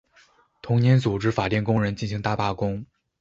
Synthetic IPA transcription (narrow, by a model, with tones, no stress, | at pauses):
t̪ʰʊ˧˥ŋnjɛ˧˥nt͡su˨˩ʈ͡ʂɻ̩˥fa˨˩t̪jɛ˥˩nkʊ˥ŋɻə˧˥nt͡ɕi˥˩nɕ̬i˧˥ŋt̪a˥˧pa˥˩kʊ˥ŋ